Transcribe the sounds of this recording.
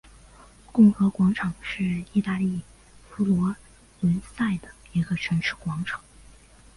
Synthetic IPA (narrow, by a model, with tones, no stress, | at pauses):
kʊ˥˩ŋxɤ˧˥kwɑ˧˥ŋʈ͡ʂʰɑ˨˩ŋʂɻ̩˥˧i˥˧t̪a˥˧li˥˩ | fu˧˥lwɔ˧˥ | lə˧˥nsa˥˩ɪd̪ə˩i˧˥ɡə˧ʈ͡ʂʰə˧˥nʂʰɻ̩˥˩kwɑ˧˥ŋʈ͡ʂʰɑ̥˨˩˦ŋ